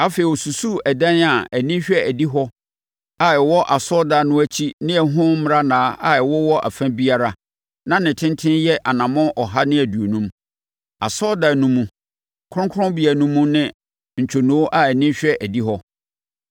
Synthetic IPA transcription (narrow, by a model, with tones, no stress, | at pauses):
a˦fe˨i˨ɔ˨su˨su˦æ˨dɛ̃˦na˨æ˨nĩ˦ɕᶣɛ˦æ˨di˦ɦɔ˦ | a˨ɛ˨wɔ˦ʔa˨sɔ˦da˨nʊ̃˦æ˦t͡ɕʰi˦nɪ̃˦ɛ˨ɦʊ̃˦m̃˦ɾa˦nãː˨˦ʔa̰˨ɛ˨wɔ˦wɔ˦ʔæ̰˨fæ̃˦bi˦a˦ɾa˨ | nã˦nɪ̃˨tʰɪ̃˦ntʰɪ̃˦njɛ˦ʔa˨nã˨mɔ̃˦ʔɔ˨ɦa˦nɪ̃˦æ˨du˨o˨nũ˦m | a˨sɔ˦da˨nũ˦mũ˦ | kʰɾʊ̃˦ŋ˦kʰʊ˦ɾʊ̃˦bi˨æ˨˦nũ˦mũ˦nɪ̃˦ | n̩˨t͡ɕʰo˨nũ˨˦o˦ʔa˦˨æ˨nĩ˦ɕᶣɛ˦ʔæ˨di˦ɦɔ˦